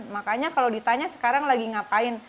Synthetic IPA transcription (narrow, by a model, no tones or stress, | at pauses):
nmakaɲakalawdit̪aɲasə̥kaɾaŋlaɡiŋapaɪn